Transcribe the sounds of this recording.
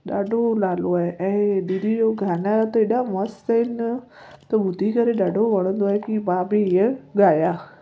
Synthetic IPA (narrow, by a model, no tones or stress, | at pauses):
ɗaːɖʱolaːloaːɦeʔɛ̃ːɗiɾijoɡʱaːnaɾat̪ɐeɗãmɐst̪əin | t̪ɐbʊd̪ʱikɐɾeɗaːɖʱoʋɐɽ̃ə̃nd̪oaːɦekiʋaːbiɪə̃ɠaːjaː